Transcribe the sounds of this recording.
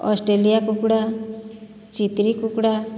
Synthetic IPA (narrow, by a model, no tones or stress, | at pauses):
ɔsʈɾelijakukɽa | t͡ʃit̪ɾikukɽa